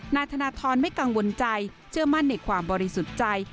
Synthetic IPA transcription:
naː˧jt̪ʰa˧naː˧t̪ʰɔː˧nma˥˩jka˧ŋwo˧nt͡ɕa˧j | t͡ɕʰɯ˥˩ɐma˥˩nːa˧˩jkʰwaː˧mbɔː˧ɾi˧su˨˩t̪̚t͡ɕa˧j

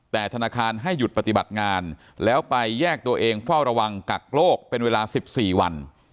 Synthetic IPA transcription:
t̪ɛː˨˩t̪ʰa˧naː˧kʰaː˧nɦa˥˩jːu˨˩t̪̚pa˧t̪i˨˩ba˨˩t̪̚ŋaː˧n | lɛː˦˥wpa˧jːɛː˥˩k̚t̪u˧ɐʔeː˧ŋfa˥˩wɾa˧wa˧ŋka˨˩k̚loː˥˩k̚pe˧nweː˧laː˧si˨˩p̚siː˨˩wa̰˧n

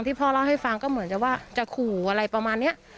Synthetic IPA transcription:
ŋt̪ʰiː˥˩pʰɔː˧˩ɾa˧˩wɦa˥˩jfa˧ŋkɔː˥˩mɯ˨˩˦nt͡ɕa˨˩waː˥˩t͡ɕa˨˩kʰuː˨˩ʔa˧ɾa˧jpɾa˧maː˧nːi˦˥ɐʔ

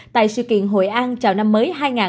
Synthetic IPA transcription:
t̪a̰ː˧˨jsɨ̰˧˨kḭ˧˨ənɦo̰˧˨jʔaː˧nt͡ɕaː˨˩wna˧mːəː˨˦jɦaː˧jŋaː˨˩

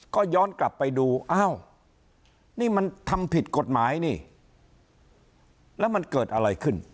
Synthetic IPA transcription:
kɔː˥˩jɔː˦˥nkla˨˩pːa˧jduː˧ʔaː˥˩w | niː˥˩ma˧nt̪ʰa˧mpʰi˨˩t̪̚ko˨˩t̪̚maː˩˦jniː˥˩ | lɛː˦˥wma˧nkɤː˨˩t̪̚ʔa˧ɾa˧jkʰɯ˥˩n

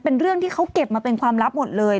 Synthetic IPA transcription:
pe˧nɾɯ˥˩əŋt̪ʰiː˥˩kʰa˦˥wke˨˩p̚maː˧pe˧nkʰwaː˧mɾa˦˥p̚mo˨˩t̪̚lɤː˧j

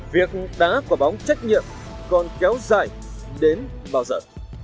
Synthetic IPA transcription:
vi˨˩ək̚ɗaː˨˦ku˧˩əɓɔ˨˦wŋ͡mt͡ɕa˦˥jk̟̚ɲḭ˧˨əm | kɔ˨˧nkɛ˨˦wzaː˨˩j | ɗe˨˦n | ɓaː˧wzə̰ː˧˩

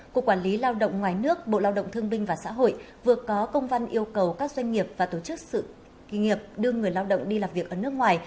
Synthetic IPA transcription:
ku˨˩ək̚ːwaː˧˩nli˨˦laː˧wɗə̰˧˨wŋ͡mŋwaː˨˩jnɨ˦˥ək̚ɓo̰˧˨laː˧wɗə̰˧˨wŋ͡mt̪ʰɨ˧əŋɓï˧ŋ̟vaː˨˩sa̰ː˧˥ɦo̰˧˨j | vɨ˨˩əkɔ˨˦kə˧wŋ͡mva˧nʔi˧əwkə˨˩wkaː˦˥k̚zwa˧jŋ̟ŋi˨˩əp̚v̥aː˨˩t̪o˧˩t͡ɕɨ˦˥k̚sɨ̰˧˨ | ŋi˨˩əp̚ɗɨ˧əŋɨ˨˩əjlaː˧wɗə̰˧˨wŋ͡mɗi˧laː˨˩mvi˨˩əkʔəː˧˩nɨ˦˥ək̚ŋwaː˨˩j

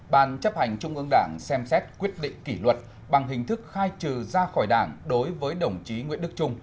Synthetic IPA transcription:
ɓa̰ː˨˩nt͡ɕə˦˥p̚ha˨˩jŋ̟t͡ɕʊ˧ŋ͡mʔɨ˧əŋɗaː˧˩ŋsɛ˧msɛ˦˥t̚kwi˦˥ət̚ɗḭ˧˨ŋ̟ki˧˩lwə˨˩t̚ | ɓa˨˩ŋɦï˨˩ŋ̟t̪ʰɨ˦˥k̚xaː˧jt͡ɕɨ˨˩zaː˧xɔ˧˩jɗaː˧˩ŋɗo˨˦jvəː˨˦jɗə˧˩wŋ͡mt͡ɕi˨˦ŋwḭ˧˥ənɗɨ˦˥k̚t͡ɕʊ˧ŋ͡m

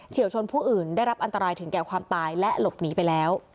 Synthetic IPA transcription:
t͡ɕʰi˨˩˦wt͡ɕʰo˧npʰuː˥˩ʔɯː˨˩ndaː˥˩jɾa˦˥p̚ʔa˧nt̪a˧ɾaː˧jt̪ʰɯ˨˩˦ŋkɛː˨˩wkʰwaː˧mt̪aː˧jlɛ˦˥ʔlo˨˩p̚niː˦˥pa˧jlɛː˦˥w

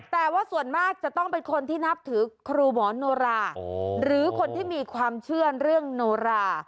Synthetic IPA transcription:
t̪ɛː˨˩waː˥˩su˨˩ənmaː˥˩k̚t͡ɕa˨˩t̪ɔ˥˩ŋpe˧nkʰo˧nt̪ʰiː˥˩na˦˥p̚t̪ʰɯː˩˦kʰɾuː˧mɔː˩˦noː˧ɾaː˧ɾɯː˩˦kʰo˧nt̪ʰiː˥˩miː˧kʰwaː˧mt͡ɕʰɯ˥˩əɾɯ˥˩əŋnoː˧ɾaː˧˩

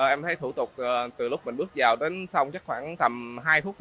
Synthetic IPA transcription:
ə˨˩ʔɛ˧mt̪ʰə˨˦jt̪ʰṵ˧˩t̪ʊ˨˩k͡p̚ːt̪ɨ˨˩lʊ˦˥k͡p̚mï˨˩ŋ̟ɓɨ˦˥ək̚zaː˨˩wɗe˨˦nsa˧wŋ͡mt͡ɕa˦˥k̚xwaː˧˩ŋt̪ə˨˩mɦaː˧jfu˦˥k̚t̪ʰ

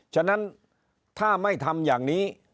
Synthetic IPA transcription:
t͡ɕʰa˥˩na˦˥n | t̪ʰaː˥˩ma˥˩jt̪ʰa˧mjaː˨˩ŋniː˦˥

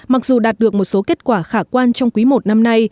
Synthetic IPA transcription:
ma˨˩k̚zu˨˩ɗaː˨˩t̚ɗɨ˨˩ək̚mo˨˩t̚so˨˦ke˦˥t̚kwaː˧˩xaː˧˩kwaː˧nt͡ɕɔ˧wŋ͡mkwi˨˦mo˨˩t̚na˧mna˧j

